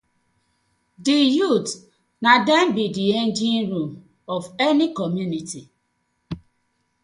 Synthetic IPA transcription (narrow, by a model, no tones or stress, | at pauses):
dijut | nadɛmbidiendĩnɾum | ɔvɛnikɔmjuniti